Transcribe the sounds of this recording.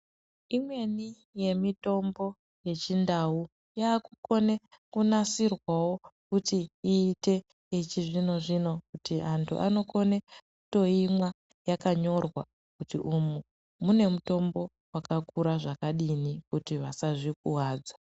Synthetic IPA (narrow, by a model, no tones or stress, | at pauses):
imwe̞ni | je̞mito̞mbo̞ | je̞t͡ʃindawu | jaːkuko̞ne̞ | kunasirwawo̞kutiːte̞ | it͡ʃiʐino̞ʐino̞kutiantʰṵʔa̰no̞ko̞ne̞ku̥to̞imwa | jakaɲo̞rwa̰ | kutiʔumu | mune̞muto̞mbo̞ | wakakuɾaʐakaɗinikutiʋasaʐik̚uwaːd͡zḁ